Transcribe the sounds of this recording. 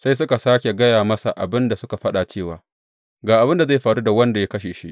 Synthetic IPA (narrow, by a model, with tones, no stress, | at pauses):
sa˦js̬ʊ˦ka˨saː˦kʲe˨ɡɐ˦jaː˨mɐ˦sa̰˨ʔa̰˨bɪ˦nda˨sʊ˦ka˨ɸɐ˦ɗa˨t͡ʃeː˦˨waː˨ | ɡaː˨ʔa˨bɪ˦nda˨za˦jɸaː˨ɽu˦da˨wɐ˦nda˨ja˦kɐ˦ʃeː˨ʃḭ˦ʔ